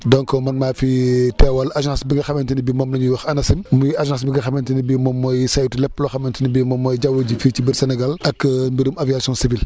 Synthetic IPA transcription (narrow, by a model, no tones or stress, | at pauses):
dɔŋkɔmɐnmaːfitɛwɐlaʒãsbiŋɡɐxɐmɛntinibimɔmnɐɲuwɐxɐnɐsimmuaʒãs̬biŋɡɐxɐmɛntinibimɔmːɔjsajutilɛpːlɔxɐmɛntinibimɔmːɔjɟɐwuɟificibiɾsɛnɛɡalʔɐkːmbiɾumɐviasiɔ̃nsivil